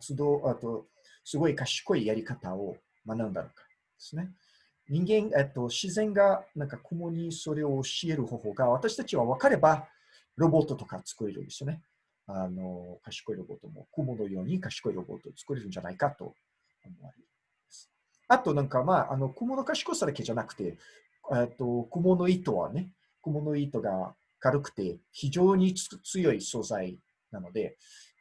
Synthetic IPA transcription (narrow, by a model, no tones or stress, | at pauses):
t͡sɨd̪oːʔet̪o̞ | sɨɡo̞ikaɕi̥ko̞ijaɾʲikat̪ao̞ | manaɯ̃nd̪a̰nokḁ | d̪̥e̥sɨne̞ | ɲ̟ĩŋɡẽ̞ŋet̪ːo̞ɕizẽ̞ŋɡanãŋkakʰo̞mo̞ɲ̟iso̞ɾe̞oːɕie̞ɾɯ̟ho̞ːho̞ːɡaβ̞at̪aɕi̥t̪at͡ɕiβaβakaɾe̞ba | ɾo̞bo̞t̪ːo̞t̪o̞kat͡sɨ̥kɯ̟ɾe̞ɾɯ̟̰nd̪e̞sɨjone̞ | ano̞kaɕi̥ko̞iɾo̞bo̞̰t̪omo̞̰kɯːmo̞no̞jo̞ːɲ̟ikaɕi̥ko̞iɾo̞bo̞̰t̪o̞t͡sɨ̥kɯ̟ɾe̞ɾɯ̟nɲ̟d͡ʑanaikat̪o̞̰ | omo̞̰βa̰ɾe | masɨ̥ | at̪o̞nãŋkamaʔa̰no̞kɯːmono̞kaɕi̥ko̞sad̪ake̞d͡ʑanakɯ̟̥t̪e̞ | et̪o̞komono̞iːt̪o̞βa̰ne̞ | kɯ̟mo̞no̞iːt̪o̞ɡa | kaɾɯ̟kɯ̟̥t̪e̞çiʑo̞ːɲ̟it͡sɨjo̞iso̞ːzai | nano̞d̪e̞